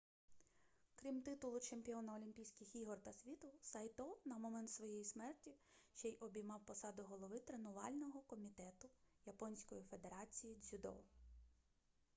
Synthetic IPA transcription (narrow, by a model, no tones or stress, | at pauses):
kɾʲimt̪ɪt̪ʊlˠʊt͡ʃemʲpʲiɔnɐɔlʲimʲpʲijsʲkʲɪxiɦɔrt̪ɐsʲʋʲit̪ʊsɐjt̪ɔnɐmɔmɛnt̪sʋɔjɛjismɛrtʲiʃt͡ʃɛjʔɔbʲijmɑwpɔsɑd̪ʊɦɔlˠɔʋɪt̪ɾenʊʋɑlʲnɔɦɔkɔmʲit̪ɛt̪ʊjɐpɔnʲsʲkɔjife̞d̪eɾɑt͡sʲijizʲʊd̪ɔ̰